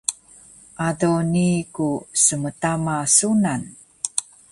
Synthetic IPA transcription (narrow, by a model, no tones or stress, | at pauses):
ʔadonikusəmətamasunan